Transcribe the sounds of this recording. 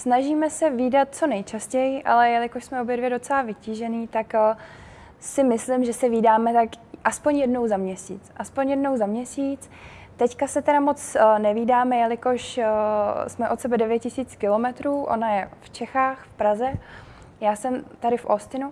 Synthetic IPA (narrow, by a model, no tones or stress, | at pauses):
snaʒiːmɛsɛviːdat̪̚t͡so̞nɛjt͡ʃascɛjɪʔa̰lɛjalɪkoʃsmɛobjɛdvjɛdo̞t͡sɛlavɪciːʒɛniːt̪ak | sɪmɪslɪmʒɛsɛviːdaːmɛt̪akʔaspo̞ɲjɛdno̞wzamɲɛsḭːt͡sʔaspo̞ɲjɛdno̞wzamɲɛsiːt͡s | t̪ɛckasɛt̪ɛɾamo̞t͡snɛviːdaːmɛjalɪko̞ʃ | smɛʔo̞t̪sɛbɛdɛvjɛt̪̚cɪsiːt͡skɪlo̞mɛt̪ɾuːʔo̞̰najɛft͡ʃɛxaːxfpɾazɛ | jaːsɛmt̪aɾɪfʔost̪ɪnu